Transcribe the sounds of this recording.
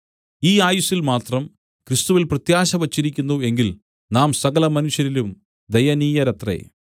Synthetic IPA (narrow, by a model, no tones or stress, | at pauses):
iːaːjusilmaːt̪rɐm | krɨst̪uʋilprɐt̪jaːɕɐʋɐt͡ɕːiɾikʲːunːue̞ŋɡil | naːmsɐɣɐlɐmɐnuɕjɐɾilum | d̪ejɐniːjɐɾɐt̪rḛː